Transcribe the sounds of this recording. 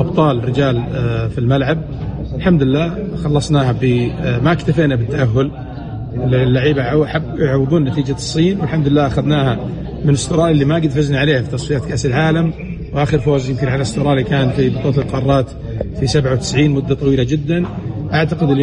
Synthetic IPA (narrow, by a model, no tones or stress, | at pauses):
ʔɑbt̪ˤɑːlrɪd͡ʒaːlfilmalʕab̚ | ɪlħamd̪ɪlːaː | xɑlːɑsˤnaːhabɪmakt̪afeːnabɪt̪ːaʔaɦːʊl | llːaʕiːbaʕʔħabːɪʕawɪðˤuːnnat̪iːd͡ʒasˤːiːnwɪlħamd̪ɪlːaːʔaxaðnaːha | mɪnɪst̪ʊɾˤɑːʔɪlːimaɡɪd̪faznaʕaleːhafit̪ɑsˤfijaːt̪kaːʔsɪlʕaːlam | wʔaːxɪɾfoːzjɪmkɪnʕalast̪ʊɾˤɑːlikaːnfibɑt̪ˤɑːt̪ɪlqɑrˤɑːt̪ | fisabʕawt̪ɪ̥sʕiːnmʊd̪ːat̪ˤɑwiːlad͡ʒɪd̪ːanʔaʕt̪aqɪd̪ɪl